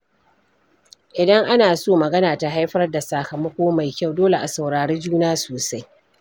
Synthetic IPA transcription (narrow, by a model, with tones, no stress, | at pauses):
ʔɪ˨dɐ˦ŋʔa˦naː˨soː˦mɐ˨ɡɐ˦naː˨ta˨ɦa˦jɸɐ˦rda˨saː˨kɐ˨mɐ˦kʷoː˦ma˨jkʲa˦˨wdoː˦le˨ʔa˨sa˨wɽaː˨ɽeː˦d͡ʒuː˦naː˦soː˨sa˦j